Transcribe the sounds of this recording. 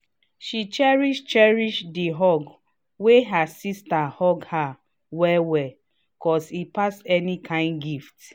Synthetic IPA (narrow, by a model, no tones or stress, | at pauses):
ʃit͡ʃɛɹiʃt͡ʃɛɹiʃdiɦɔɡ | weɦasistahɔɡha | wɛwɛ | kɔsipasɛnikʰãɪ̃nɡift